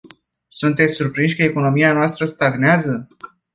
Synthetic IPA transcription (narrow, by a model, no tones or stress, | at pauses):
sunt̪et̪sʲsurpɾinʃʲkəeko̞no̞mianoast̪ɾəst̪aɡneazə